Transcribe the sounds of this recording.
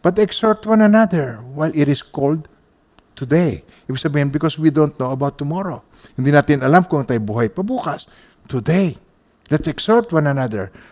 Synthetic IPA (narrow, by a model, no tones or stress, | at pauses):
b̥ɐt̪ɛksɔɹt̪wãnɐnaðɛɹwajlɪɾɪskold̪̚ | t̪ʊd̪ej | ʔɪwsɐbiːhɪnbɪkoswid̪ont̪̚noɐbawt̪ːʊmɔɾo | hɪnd̪inaːt̪ɪnɐlamkʊɐŋt̪ajbuhajpɐbuːkɐs | t̪ʊd̪ej | d̪at̪sɛksɔɹt̪wãnɐnaðɛ̰ɹ